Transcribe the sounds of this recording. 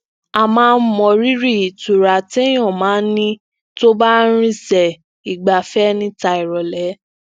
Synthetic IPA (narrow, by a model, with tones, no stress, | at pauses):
a˨mãː˦˧n̩˦mɔ̃˨˧ɾi˦ɾi˦˨i˨tu˨ɾa˨ti˦j̃ɔ̃˦˨mãː˨˦n̩˦nĩ˦ | to˦ba˦ɾ̃ĩ˦sɛ˨ | i˨ɡ͡ba˨fɛ˦nĩ˦ta˧i˨ɾɔ˨lɛ˨˦